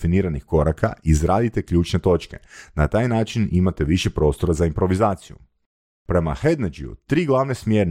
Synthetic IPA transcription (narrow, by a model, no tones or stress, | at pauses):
finiːɾanixko̞ɾakʰa̰izɾaːd̪it̪e̞kʎuːt͡ʃne̞t̪o̞t͡ʃke̞̰nat̪aːjnaːt͡ʃinimat̪e̞ʋiʃe̞pɾo̞ːst̪o̞ɾazaimpɾo̞ʋizaːt̪sijṵ | pɾe̞ma̰xe̞d̪ned͡ʒiṵt̪ɾiːɡlˠaʋnesmjeɾn